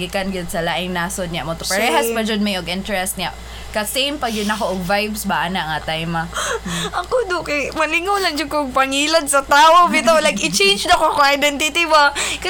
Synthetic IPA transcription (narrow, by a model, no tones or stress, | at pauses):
ɡɪkanɡʊd̪̚sɐlaʔɪŋnaːsod̪̚ɲaʔmot̪ʊpɛɾɛɦaspad͡ʒod̪̚majoɡʔɪnt̪ɛɹɛst̪̚ɲaʔ | kɐsejmpɐɡd͡ʒʊd̪nɐkoʔoɡ̚vajbsbaʔanaʔŋat̪ajmaʔɐkod̪ʊkɐjmɐlɪŋolɐŋd͡ʒʊd̚koɡ̚pɐŋilad̪sɐt̪aːʔobit̪olajkɪt͡ʃẽjnd͡ʒd̪akokʊŋajd̪ɛnt̪ɪt̪ibak